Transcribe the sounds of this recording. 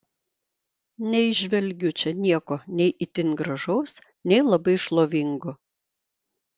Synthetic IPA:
nʲɛɪʒʲʋʲɛlʲɡʲʊt͡ʃʲɛnʲiɛkoːnʲɛɪʔɪt̪ʲɪnɡɾɐʒɒʊs | nʲɛɪlˠɐbɐɪʃlˠoːʋʲɪŋɡʊ

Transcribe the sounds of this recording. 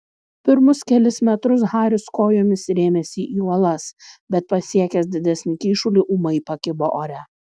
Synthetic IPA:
pʲɪɾmʊskʲɛlʲɪsmʲɛt̪ɾʊs̬ɣɑːɾʲʊskoːjoːmʲɪsɾʲeːmʲɛsʲɪʔiːuɔlˠɐsbʲɛt̪̚pɐsʲiɛkʲɛsd̪ʲɪd̪ʲɛsʲnʲɪkʲiːʃʊlʲɪʔumɐɪpɐkʲɪboʔoːɾʲæ

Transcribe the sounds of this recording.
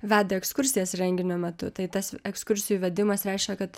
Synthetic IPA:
ʋʲæːd̪ɐɛkskʊɾʲsʲɪjɛsɾʲɛŋʲɡʲɪnʲoːmʲɛt̪ʊt̪ɐɪt̪ɐsɛkskʊɾʲsʲɪjuʋʲɛd̪ʲɪmɐsɾʲɛɪʃʲkʲɛkɐt̪

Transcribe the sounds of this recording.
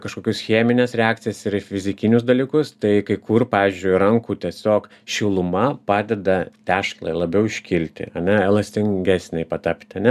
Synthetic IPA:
kɐʃkoːkʲʊsxʲiːmʲɪnʲɛsɾʲɛɑːkt̪sʲɪjɛsɪɾɪfʲɪzʲɪkʲɪnʲʊsd̪ɐlʲiːkʊst̪ɐɪkɐɪkʊrpɑːʋʲiːzʲd͡ʒʲʊɪɾɐŋkuːt̪ʲiɛsʲoːk | ʃʲɪlˠʊmɐpɑːd̪ʲɛd̪ɐt̪ʲæːʃklˠɐ̰ɪlˠɐbʲɛʊɪʃʲkʲɪlʲt̪ʲɪ̰ɐnʲɛɛlˠɐsʲt̪ʲɪŋʲɡʲæsʲnʲɛɪpɐt̪ɐpʲt̪ʲɪɐnʲɛ

